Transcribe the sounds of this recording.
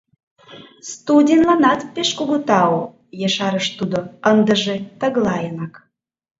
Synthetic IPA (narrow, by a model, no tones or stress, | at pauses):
st̪udʲenlɑnɑt̪peʃkuɣut̪ɑo | jeʃɑɾəʃt̪ud̪oənd̪əʒet̪ə̆ɣlɑjənɑk